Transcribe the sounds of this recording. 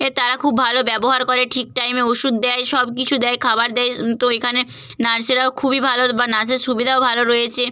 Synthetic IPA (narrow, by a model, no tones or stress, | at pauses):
et̪aɾakʰubːʱalobɛboɦaɾkoɾeʈʰik̚ʈajmeoʃud̪̚ːɛjʃɔbk̬it͡ɕʰud̪ɛjkʰabaɾd̪ɛjt̪oekʰane | naɾseɾaokʰubibʱalobanas̬eɾʃubid̪ʱaobʱaloɾojet͡ɕʰe